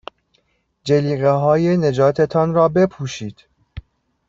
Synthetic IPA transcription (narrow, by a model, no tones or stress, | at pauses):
d͡ʒeliːɣeɦɒːjene̞d͡ʒɒːt̪ʰet̪ʰɒːnɾɒːbe̞pʰuːʃiːd̪̥